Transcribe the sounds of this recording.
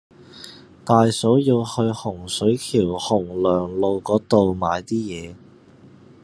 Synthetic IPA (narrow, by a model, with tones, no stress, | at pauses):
t̪aː˨˧jso˨˥wji˧whɵ˧hʊ˨˩ŋsɵ˨˥ɥkʰiː˨˩whʊ˨˩ŋlœː˨˩ŋlo˨˧wkɔː˨˥t̪o˨wmaː˨˧jt̪iː˥jɛː˨˧